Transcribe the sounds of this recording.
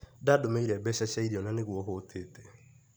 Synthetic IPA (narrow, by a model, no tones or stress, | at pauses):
dadomeiɾɛbɛʃɛʃaidiɔnaneɣuɔɦotʰeːte̥